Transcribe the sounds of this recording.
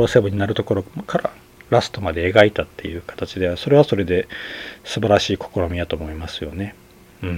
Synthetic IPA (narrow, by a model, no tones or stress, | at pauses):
oːsebɯ̟ɲ̟inaɾɯ̟t̪o̞ko̞ɾo̞kaɾa | ɾasɨ̥t̪o̞mad̪e̞ːɡait̪at̪ːe̞jɯ̟ːkḁt̪at͡ɕid̪e̞βaso̞ɾe̞β̞aso̞ɾe̞d̪e̞sɨbaɾaɕiːko̞̥ko̞ɾo̞mʲijat̪o̞ːmo̞imasɨjo̞ne̞ | ɯ̟̃